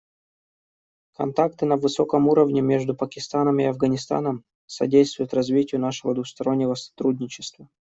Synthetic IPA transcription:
kɐ̰nt̪ak̚t̪ɨnəvɨso̞kəmuɾəvnʲɪmʲe̞ʐd̪ʊpəkʲɪst̪anəmɪɐvɡənʲɪst̪a̰nəm | sɐ̰dʲejst̪vʊjʊt̪rɐzvʲitʲɪjʊnaʂɨvəd̪vʊxst̪ɐɾo̞nʲːɪvəsɐ̥t̪ɾudʲnʲɪt͡ɕɪst̪və

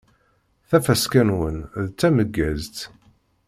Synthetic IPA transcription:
θæfæskænwənðt͡sːæməɡːæzt̪

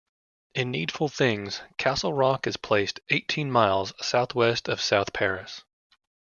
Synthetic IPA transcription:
ɨ̃nːid̥fl̩ˠθɪ̃ŋz̥kʰæsl̩ˠɹɑkɨz̥pʰl̥eɪsteɪtʰĩnmaɪlˠz̥saʊθwɛstʌv̥saʊθpʰɛɹɨs

